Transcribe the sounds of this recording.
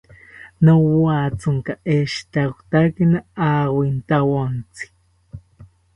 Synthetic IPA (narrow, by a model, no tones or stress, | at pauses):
nowat͡suŋkaʔeʃt̪akʷt̪akinaawint̪awont͡si̥